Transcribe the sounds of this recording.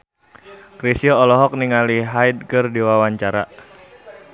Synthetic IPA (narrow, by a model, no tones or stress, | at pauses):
kɾisiɔɔlɔɦɔk̚niŋaliɦajd̚kərdiwawaɲt͡ʃaɾa̰